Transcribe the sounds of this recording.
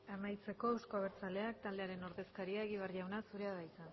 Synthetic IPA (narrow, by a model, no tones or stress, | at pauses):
emajt͡se̞ko̞ewsko̞aβ̞eɾt͡sale̞ak̚t̪ald̪e̞aɾe̞no̞ɾðe̞skaɾiaeɣiβarʎawnasuɾe̞aðajt̪a